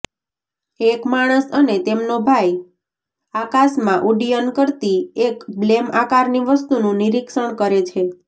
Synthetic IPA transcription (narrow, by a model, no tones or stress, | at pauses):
ekmaɽ̃əsənet̪emnobʱaj | akasmãʔuɖijənkəɾt̪iekblemakaɾniʋəst̪unũniɾikʃəɳkəɾet͡ʃʰe